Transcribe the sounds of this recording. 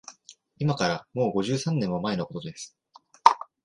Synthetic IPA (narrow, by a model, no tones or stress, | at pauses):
imakaɾamo̞ːɡo̞ʑɨːsãnːẽ̞mːo̞mae̞no̞ko̞t̪o̞d̪e̞sɨ̥